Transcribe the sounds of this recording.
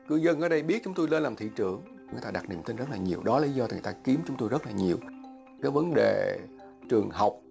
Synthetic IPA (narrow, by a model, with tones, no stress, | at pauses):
kɨ˧zə˧nʔəː˨˦ɗə˧jɓi˦˥ət̚t͡ɕʊ˨˦ŋ͡mt̪o˧jle˧nlaː˨˩mt̪ʰḭ˧˨t͡ɕɨ˧˩˨əŋ˨ŋ˨˩t̪aː˧ɗa˨˩t̚ni˨˩əmt̪ï˧ŋzə˦˥laː˨˩ɲi˨˩əwɗɔ˨˦laː˨˩li˨˦zɔ˧i˨˩aː˧ki˨˦əmt͡ɕʊ˦ŋ͡mt̪o˧jzə˦˥t̚laː˨˩ɲi˨˩əw | kaː˨˦jvə˨˦nɗḛ˨˩ | t͡ɕɨ˨˩əŋha˨˩wk͡p̚